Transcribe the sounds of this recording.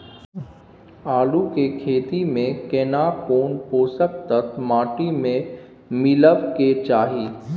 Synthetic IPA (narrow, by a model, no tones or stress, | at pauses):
aːlukekʰeːt̪imẽkeːnaːkoːɳpoːsək̚t̪ək̪maːʈimẽ | mɪləbket͡ʃaːɦiː